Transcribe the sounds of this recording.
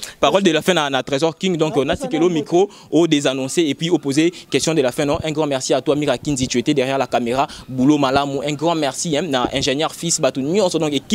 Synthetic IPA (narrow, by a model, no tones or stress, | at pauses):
paʁɔldəlafɛ̃nanat̪ʁezɔʁkĩŋɡd̪ɔ̃knasikelomikχo | ojodezanɔ̃seepɥiopozekɛstjɔ̃dəlafɛ̃nɔ̃ʔɛ̃ɡʁɑ̃mɛʁsiatwamiʁakinzitetedɛʁjɛʁlakameʁabulomalamoʔɛ̃ɡʁɑ̃mɛʁsiɛ̃naʔɛ̰̃ʒenjɛʁfisbatonjɔ̃sɔd̪ɔ̃keki